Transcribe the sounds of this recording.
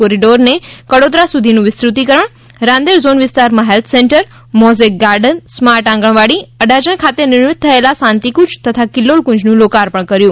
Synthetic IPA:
oɾiɖoɾnekəɽod̪ɾasud̪ʱinũʋɪst̪ɾut̪ikəɾəɳ̃ | ɾãnd̪eɾzonʋɪst̪aɾmaɦelt̪ʰsẽɳʈəɾ | mɔzek̚ɡaɾɖənsmaɾʈãŋɡəɽ̃ʋaɽiəɖʱad͡ʒəɳkʰat̪enɪɾmɪt̪̚t̪ʰːəelasãnt̪ikũt͡ʃt̪ət̪ʰakɪlːolkũd͡ʑnũlokaɾpəɳ̃kəɾjũː

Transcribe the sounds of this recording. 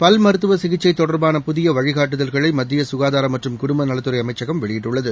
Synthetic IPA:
pɐlmɐɾɯt̪ːɯʋɐsɪɣɪt͡ʃːɐɪt̪ːɔɽɐɾbaːnɐpʊðɪjɐʋɐɻɪɣaːʈːɯðɐlɣɐɭɐɪmɐd̪ːɪjɐsʊɣaːðaːɾɐmːɐʈrɯmkʊɽʊmbɐnɐlɐt̪ːɯɾɐɪɐmɐɪt͡ʃːɐɣɐmʋɛɭɪjɪʈːɯɭːɐðɯ

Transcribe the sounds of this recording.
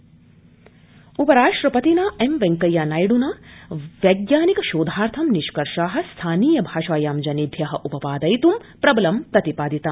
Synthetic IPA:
upɐɾaːʂʈɾɐpɐt̪inaːemʋeŋkɐjaːnaːjɽunaːʋɐɡjaːnikɐʃoːd̪ʱaːɾt̪ʰɐmniʃkɐɾʃaːɦɐ̆st̪ʰaːniːjɐbʱaːʃaːjaːmd͡ʒɐnibʱjɐɦɐʔupɐpaːd̪ɐjt̪umpɾɐbɐlɐmt̪ɐt̪ipaːd̪it̪aːm

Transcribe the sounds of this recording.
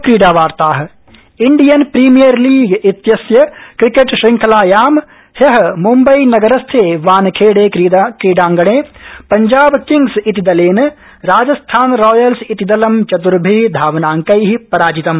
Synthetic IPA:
kɾiːɖaːʋaːɾt̪aːɦ | ɪɳɖijɐnpɾiːmijɐɾliːɡit̪jɐsjɐkɾikeʈʃɾɪ̃ŋkʰɐlaːjaːm | hjɐɦmumbɐinɐɡɐɾɐst̪ʰeːʋaːnkʰeːɽeːkɾiːɖãːŋɡɐɽ̃eːpɐɲd͡ʒaːbkĩŋɡsit̪id̪ɐleːn | ɾaːd͡ʒɐst̪ʰaːnɾɔːjɐlsit̪id̪ɐlɐmt͡ʃɐt̪̬uɾbʱiːd̪ʱaːʋnaːŋkɐiɦipɐɾaːd͡ʒit̪ɐm

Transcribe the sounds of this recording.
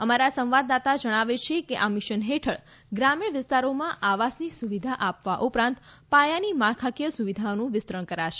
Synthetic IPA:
əmaɾasə̃w̃ʋad̪at̪ad͡ʒəɽ̃aʋet͡ʃʰekeʔamɪʃənɦeʈʰəɭ | ɡɾamiɳ̃ʋɪst̪aɾomãʔaʋasnisuʋid̪ʱaʔapʋaʔupɾãnt̪pajanimaɭkʰakjəsuʋid̪ʱaonũʋɪst̪ɾəɳ̃kəɾaʃe

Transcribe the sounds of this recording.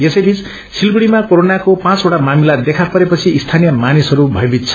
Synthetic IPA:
jesʌjbʱit͡s | t͡sʰilɡuɽimakoɾonakopãt͡soʈamamilad̪ekʰapʌɾepʌt͡sʰiːst̪ʰanijʌmanisʌɾubʱʌjbʱit̪̚t͡sʰʌ̥

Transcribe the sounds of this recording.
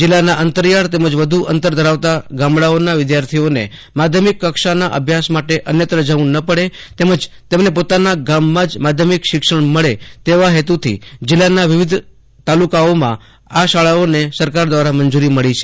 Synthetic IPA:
d͡ʒɪlːanaʔənt̪əɾijaɽt̪eməd͡ʒʋəd̪ʱuʔənt̪əɾd̪ʱəɾaʋt̪aɡamɭaonaʋɪd̪jaɾt̪ʰionḛ | mad̪ʱjəmikːəkʃanaʔə̰bʱjasmaʈeʔənjət̪ɾəd͡ʒaʋũnəpəɽet̪eməd͡ʒt̪emnepot̪anaɡamːãd͡ʒmad̪ʱjəmikʃɪkʃəɳməɭet̪eʋaɦet̪ut̪ʰḭd͡ʒɪlːanaʋɪʋɪd̪ʱ | t̪alukaomã̰ | aʃaɭaonesəɾkaɾd̪ʋaɾamənd͡ʒuɾiməɭit͡ʃʰe̥

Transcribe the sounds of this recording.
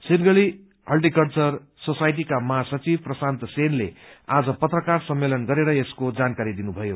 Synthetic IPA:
sinɡʌɭi | ʌlʈikʌlt͡sʌr | sosajʈ̬ikamʌɦasʌt͡sibprʌsant̪ʌsenlead͡zʌpʌt̪rʌkarsʌmːelʌnɡʌɾeɾʌeskod͡zankaɾid̪inubʱʌjo

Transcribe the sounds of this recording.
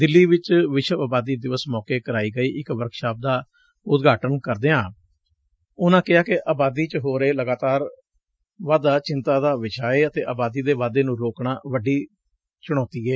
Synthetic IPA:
d̪ɪlːiːʋɪt͡ʃʋɪʃəaːbaːd̪iːd̪ɪʋəsmɔːkeːkəɾaːiːɡəiːʔɪkʋəɾkʃaːp̚d̪aː | ʊt̪ɡʱaːʈənkəɾd̪eːãː | ʊnãːkɪaːkɪʔaːbaːd̪iːt͡ʃɦoːɾeːləɡaːt̪aːɾ | ʋaːd̪aːt͡ʃɪnt̪aːd̪aːʋɪʃaːeːət̪eːʔaːbaːd̪iːd̪eːʋaːd̪eːnũːɾoːkɳaːʋəɖiː | t͡ʃʊɽ̃ɔ̃ːt̪iːɡeː

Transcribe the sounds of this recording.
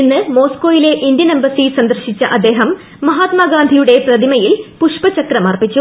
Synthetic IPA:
inːɨmo̞ːsko̞ːjile̞ʔind̪jɐnɐmbɐsisɐnd̪ɐrɕit͡ɕːɐʔɐd̪ːeːɦɐmː | ɐɦaːt̪maːɡaːnd̪ʱijuɽe̞prɐðimɐjilpuʂpɐt͡ɕɐkrɐmɐrpit͡ɕːu

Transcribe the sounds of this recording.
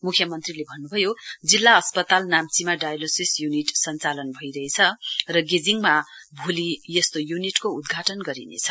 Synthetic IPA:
mukʰjʌmʌnt̪rilebʱʌnːubʱʌjod͡zilːaʌspʌt̪alnamt͡simaɖajlosisjuniʈsʌnt͡salʌnbʱʌjɾʌɦet͡sʰʌrʌɡed͡ziŋma | bʱulijʌst̪ojuniʈkoud̪ɡʱaʈʌnɡʌɾḭnḛt͡sʰʌ̥

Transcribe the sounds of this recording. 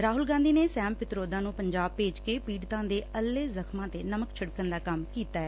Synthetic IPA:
ɾaːɦʊlɡãːnd̪iːneːsɛːmpɪt̪ɾoːd̪ãːnũːpəɲd͡ʒaːb̚peːd͡ʒkeːpiːɽt̪ãːd̪eːəlːeːzəkʰmãːt̪eːnəməkt͡ʃʰəɽkənd̪aːkəmkiːt̪aːɛː

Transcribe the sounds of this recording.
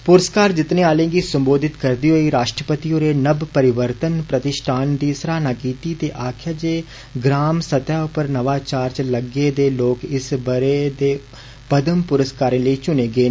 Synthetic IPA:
pʊɾəskaːɾd͡ʒɪt̪neːaːlẽːɡiːsəmboːd̪ʱɪt̪kəɾd̪iːɦoːiːɾaːʃʈɾəpət̪iõːɾeːnəbpəɾɪʋəɾt̪ənpɾət̪ɪʃʈʰaːnd̪iːsɾaːnaːɡiːt̪iːt̪eːʔaːkʰjaːd͡ʒeː | ɡɾaːmsət̪jaːʊpəɾnəʋaːt͡ʃaːɾt͡ʃləɡeːd̪eːloːkɪsbəɾeːd̪eː | pəd̪əmpʊɾəskaːɾẽːləiːt͡ʃʊneːɡeː

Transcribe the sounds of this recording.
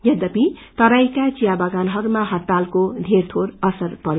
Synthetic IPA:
jʌd̪ʌpit̪ʌɾajkat͡sijabʌɡanɦʌɾumaɦʌt̪ːalkod̪ʱert̪ʰoɾʌsʌrpʌɾ

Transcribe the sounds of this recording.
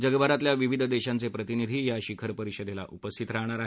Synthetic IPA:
d͡ʑəɡəbʱaɾat̪ljaʋiʋid̪ʱəd̪eɕant͡sepɾət̪inid̪ʱiːjaɕikʰəɾpəɾiɕəd̪ela̰ʔupəst̪ʰit̪ɾaɦɳ̃aɾaɦe

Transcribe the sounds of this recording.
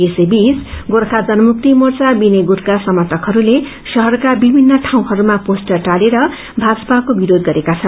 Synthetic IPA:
esebisɡoɾkʰad͡zʌnʌmuk̚t̪imʌrt͡sabineɡuɾkasʌmʌt̪ʌkɦʌɾule | sʌɦʌrkabibʱinːʌʈʰaw̃ɦʌɾumaposʈʌrʈaleɾʌ | bʱad͡zʌpakobiɾod̪̚ɡʌɾekat͡sʰʌn

